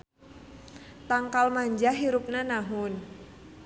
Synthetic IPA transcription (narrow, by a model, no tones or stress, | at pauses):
t̪aŋkalmaɲd͡ʒaɦiɾup̚nanaɦʊn